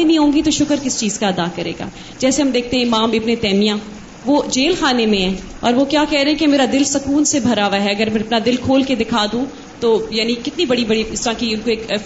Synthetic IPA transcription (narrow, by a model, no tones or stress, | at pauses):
enĩɦõːŋɡit̪oʃʊkəɾkɪst͡ʃiːzkaɐd̪aːkɐɾḛːɡa̰ː | d͡ʒɛːseɦɐmd̪eːk̚t̪eɦɛ̃ɪmaːmɪɐpnet̪ɛːmijã | ʋoːd͡ʒeːlxaːnemẽɦɛ̃ː | ɔ̰ːɾʋokjaːkɛɦɾẽɦɛ̃kemeːɾad̪ɪlsɐkuːnsebʱɐɾaːʋaɦɛɐɡəɾmɛ̃ɐpnad̪ɪlkʰoːlked̪ɪkʰaːd̪ũ | t̪oːjaːnikɪt̪nibɐɽibɐɽiɪst̪ɐɾãkiʊnkoeːk